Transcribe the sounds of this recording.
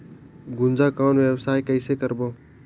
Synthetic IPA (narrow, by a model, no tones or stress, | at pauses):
ɡʊnd͡ʒaːkãːnʋjəwsaːjkəɪsekəɾboː